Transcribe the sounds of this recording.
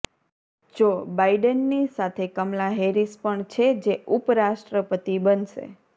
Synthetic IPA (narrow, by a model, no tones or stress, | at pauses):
d͡ʒobaiɖənːisat̪ʰekəmlaɦeɾispəɳt͡ʃʰed͡ʒeupɾaʃʈɾəpət̪ibənʃḛ